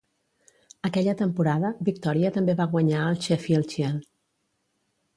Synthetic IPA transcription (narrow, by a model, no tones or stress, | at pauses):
əkɛʎət̪əmpuɾaðəβik̚t̪ɔɾiət̪əmbeβaɣwəɲaəlˠt͡ʃɛfiəlˠt͡ʃiɛl